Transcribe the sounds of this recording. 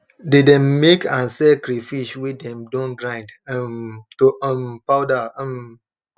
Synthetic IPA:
dedɛ̃mːekãnsɛkɾifiswidɛ̃mdõnɡɹãj̃ndmtoə̃mpaʊdaə̃m

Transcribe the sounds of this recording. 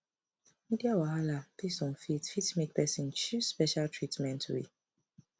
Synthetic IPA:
midiawahalatisɔ̃mfitfitmĩk̚pɛsĩnt͡ʃuspɛʃaltʰɹitmɛ̃ntʰwḭ

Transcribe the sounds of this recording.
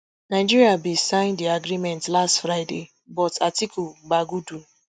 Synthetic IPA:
naɪd͡ʒiɾiabisãɪ̃ndiaɡɾimɛ̃ntlastfɾaɪde | bɔtatikuɡ͡baɡudu

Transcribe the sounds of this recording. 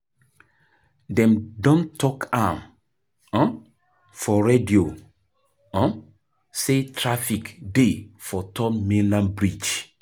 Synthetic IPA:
dɛ̃mdɔ̃ntɔkʰãm | ɔ̃ | fɔɹedio | ɔ̃ | setʰɹafikdefɔtʰɔ̃mmelãnbɹit͡ʃ

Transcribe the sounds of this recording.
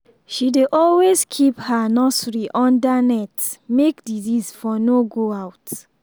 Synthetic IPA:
ʃideʔɔlwezkʰiphanɔsɹiʔɔ̃ndanɛtmekdizisfɔnoɡoaʊt

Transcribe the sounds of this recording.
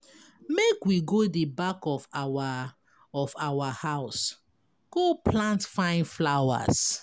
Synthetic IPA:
mekwiɡodebakɔfwa | ɔfawahaʊs | ɡ̥oplãntfãɪ̃nflawa̰s

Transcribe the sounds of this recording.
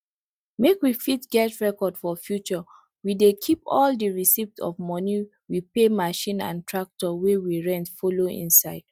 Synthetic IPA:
mekwifitɡɛtɹɛkɔdfɔfjut͡ʃɔ | widekʰipɔldiɹisiftɔ̰vmɔni | wipemaʃĩnã̰ntʰɹak̚tɔwewiɹɛ̃ntfoloḭ̃nsaɪd̥

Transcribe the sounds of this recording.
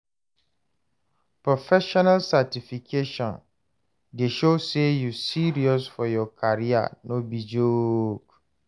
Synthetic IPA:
pʰɹɔfɛʃɔnalsatʰifikʰeʃɔ̃n | deʃosejusiɾiɔsfɔjɔkʰaɾia̰nõbid͡ʒoɡ

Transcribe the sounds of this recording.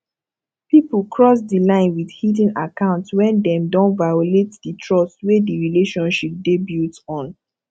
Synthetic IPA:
pipul̩kɹɔs̬dilãɪ̃nwidhidĩnakãʊ̃ntwɛ̃ndɛ̃mdɔ̃nvajoletditʰɹɔsswediɹileʃɔ̃nʃip̚debiltɔ̃n

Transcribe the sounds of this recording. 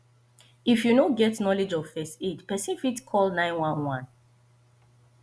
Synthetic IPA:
ifjunoɡɛtnɔled͡ʒɔv̥fɛstidpɛsĩnfitkʰɔlnãɪ̃nwãnwãn

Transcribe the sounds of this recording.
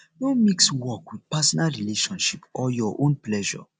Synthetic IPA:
nomikswɔkwid̥pasɔnalɹileʃɔ̃nʃipɔjɔʔõnplɛʒɔ̰

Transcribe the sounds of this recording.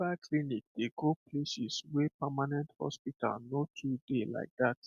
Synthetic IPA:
akʰlinik̚d̥eɡopʰlesiswepamanɛ̃nthɔ̰spitʰa̰lnotʰudela̰ɪk̚d̪at

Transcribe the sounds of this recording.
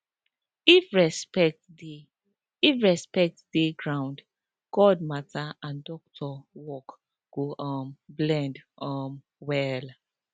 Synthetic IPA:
ifɹɛspɛt | ifɹɛspɛk̚tdeɡɹãw̃nd | ɡ̥ɔd̚mataãndɔk̚tʰɔwɔk | ɡ̥oʔɔ̃mblɛ̃ndɔm | wɛl

